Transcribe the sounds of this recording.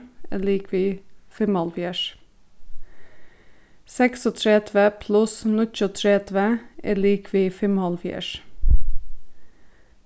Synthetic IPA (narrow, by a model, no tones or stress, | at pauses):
ḛːliːkʰʋiːfɛmhɑlfjæʃ | sɛksɔt̪ʰɾɛt̪ʰʋəpʰlʊsnʊc͡çot̪ʰɾet̪ʰʋəʔḛːliːkʰʋiːfɛmhɑlfjæ̰ʃ